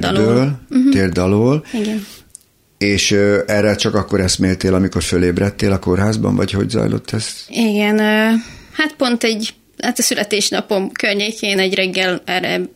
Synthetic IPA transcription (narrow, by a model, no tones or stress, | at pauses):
d̪lbøːlt̪eːrd̪ɒloːliɡɛn | eːʃøɛrːɛt͡ʃɒkɒkːo̞ɾɛst̪meːlt̪eːlɒmiko̞rføleːbrɛt̪ːeːlɒko̞rɦaːzbɒ̰ɱvɒ̰cho̞̰ɟzɒ̰jlo̞̰t̪ːɛst̪iɡɛnøːhat̪po̞nt̪ɛɟ | hat̪ɒsylʔɛt̪eːʃnɒ̰po̞mkørɲeːkʰeːnɛɟrɛɡːɛlɛɾɛ̰